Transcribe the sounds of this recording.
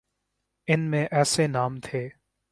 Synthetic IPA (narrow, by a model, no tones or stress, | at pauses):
ɪnmẽʔɛːsenaːmt̪ʰeː